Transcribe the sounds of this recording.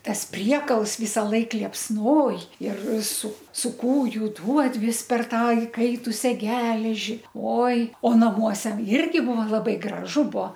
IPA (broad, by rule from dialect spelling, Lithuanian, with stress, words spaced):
ˈtɐs ˈpʲrʲiɛkɐlˠs ʋʲiːsɐˈlˠɐɪk lʲiɛpsˈnoːj ɪr sʊ sʊ ˈkuːjʊ duɔt ˈʋʲɪs pʲɛr ˈtɑː ɪˈkɐɪtʊsʲɛ ˈɡʲæːlʲɛʒʲɪ ˈoːɪ oː nɐˈmuɔsʲɛ ˈɪrʲɡʲɪ ˈbʊʋɐ lˠɐˈbɐɪ ɡrɐˈʒʊ ˈbuɔ